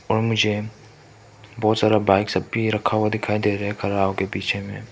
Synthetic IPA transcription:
ɔːɾmʊd͡ʒʱe | bɔːt̪saːɾabaːɪksɐbiɾɐkʰːawad̪ɪkʰaːid̪eːɾɐɦɛkʰɐɾaːokepiːt͡ʃʰemḛ̃ː

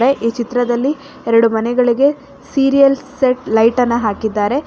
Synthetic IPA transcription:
ɾeʔiːt͡ʃit̪ɾɐd̪ɐlːi | ɛɾɐɽumɐnɛɡɐɭiɡe̞ | siːɾijɐlseʈlɐjʈɐnːɐɦaːkid̪ːaːɾe̞

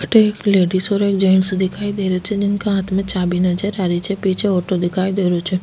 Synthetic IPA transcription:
əʈeekleɖisoɾoek̚d͡ʒəɳsd̪ʱikʰaid̪eɾot͡ʃʰed͡ʒenkãat̪mə̃t͡ʃabinəd͡ʒəɾaɾit͡ʃʰepit͡ʃʰeoʈod̪ekʰajd̪eɾot͡ʃʰe

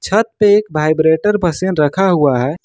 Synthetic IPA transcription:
t͡ʃʰət̪̚peekbʱajbɾeʈəɾbʱəsənɾəkʰaɦuaɦɛ

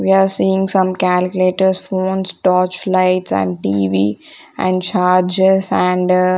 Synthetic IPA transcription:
ʋiaːɾsiːɪ̃ŋɡsʌ̃mkælkjʊleːʈəɾsfõːnsʈɔːt͡ʃlaɪʈsæ̰̃ɳɖ̚ʈiːʋiː | ʔæɛ̰̃ɳɖt͡ʃaːɾd͡ʒezæ̃ɳɖ

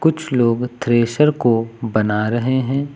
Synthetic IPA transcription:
kʊt͡ʃʰloːɡt̪ʰɾeːʃəɾkobɐnaɾɐɦeɦɛ̃ː

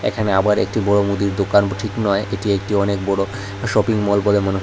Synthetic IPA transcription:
ḛkʰaneabaɾḛk̚ʈibɔɽomud̪iɾd̪okanʈʰiknɔeʔeʈiek̚ʈiɔnek̚bɔɽo | ʃɔpiŋmɔlbolemonu

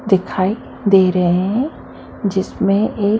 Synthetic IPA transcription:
d̪ɪkʰaːi | d̪eːɾɐɦeɦɦɛ̃ | d͡ʒɪsmẽʔeː

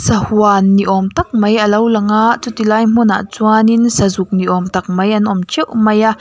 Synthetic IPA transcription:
sɐhuanːiʔɔmt̪ɐk̚mɐjʔɐlɐwlɐŋaʔt͡sut̪ilaːjm̥una̰ʔt͡suaninsɐzuk̚niʔɔmt̪ɐk̚mɐjʔɐnʔɔmt͡ʃʰɛwmɐjaʔ

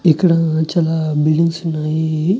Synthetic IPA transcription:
ikːɐɽɐt͡ʃaːlaːbilɖiŋsunːaːji

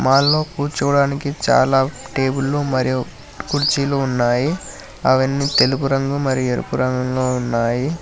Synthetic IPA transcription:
maːɭːo̞ːkuːɾt͡ʃuʋɐɽaːnikit͡ʃa̰ːlaːʈe̞ːbulːumɐɾiju | kuɽt͡ʃiːloːunːaːji | ɐʋɐnːit̪e̞lupuɾɐŋɡɐmmɐɾijueɾṵpuɾɐŋɡɐŋloːunːaːji

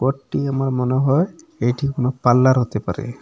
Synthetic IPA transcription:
kɔʈːiamaɾmɔneɦɔe | ejʈʰikonopalːaɾɦot̪epa̰ɾḛ

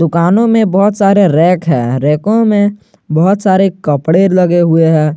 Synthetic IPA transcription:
d̪ʊkaːnõmẽbɔɦʊt̪saːɾeɾɛːkɦɛ̰ːɾɛːkõmẽ | bɔɦʊt̪saːɾekɐpɽeːɾlɐɡeɦʊeɦɛ̃ː

